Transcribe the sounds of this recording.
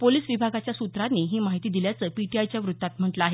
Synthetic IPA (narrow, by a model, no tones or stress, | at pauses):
poliːssʋibʱaɡat͡ɕjasut̪ɾanːiɦiːmaɦit̪iːd̪iljat͡səːpiʈiajt͡ɕjaʋɾut̪ːat̪m̤əʈləaɦe